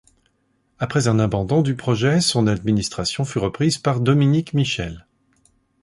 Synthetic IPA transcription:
apχɛzɛ̃nabɑ̃d̪ɔ̃d̪ypχɔʒɛsɔ̃nad̪minist̪χasjɔ̃fyʁəpχizpaʁd̪ɔminikmiʃɛl

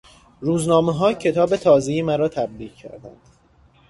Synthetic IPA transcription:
ɾuːznɒːmeɦɒːcʰe̞t̪ʰɒːbe̞t̪ʰɒːzejimæɾɒːt̪ʰæbɾiːʁcʰːæ̰ɾd̪æ̰nd̪̥

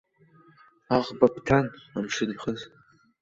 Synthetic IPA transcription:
aʁbapʰtʰanamʂɨniχəz

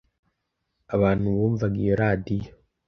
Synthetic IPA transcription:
aβaːnuβuːɱvaɡiɾaːdijo

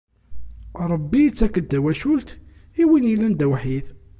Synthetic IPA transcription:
ɾˤəbːiət͡sːækːəd̪ːæwæʃult̪ | iwinilænd̪æwħið

